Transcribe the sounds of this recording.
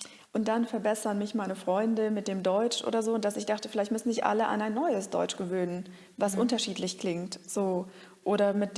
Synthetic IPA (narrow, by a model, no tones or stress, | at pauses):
ʔʊnt̚d̥anfɛɐbɛsɐnmɪçmaɪnəfʁ̥ɔʏndəmɪt̚d̥eːmdɔʏt͡ʃʔo̰ːdɐzoːʊnt̚d̥asɪçd̥aχtəfɪlaɪçtmʏsn̩zɪçʔa̰ləʔa̰naɪnːɔʏəsd̥ɔ̰ʏt͡ʃɡ̥əvøːnən | vasʔʊntɐʃiːtlɪçkl̥ɪŋtz̥oː | ʔoːɾɐmɪt̚